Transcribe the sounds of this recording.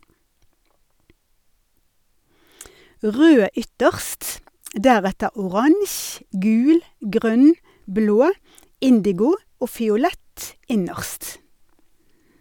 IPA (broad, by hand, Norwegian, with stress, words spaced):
ˈʁøː ˈʏtəʁst ˈdæʁɛtə ʊˈʁɑŋç ˈɡʉːl ˈɡʁœn ˈbloː ˈɪndɪɡʊ ˈoː fɪʊˈlɛt ˈɪnəʁst